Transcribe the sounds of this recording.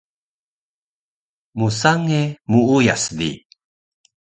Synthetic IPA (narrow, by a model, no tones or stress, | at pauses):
musaŋemuujasdḭ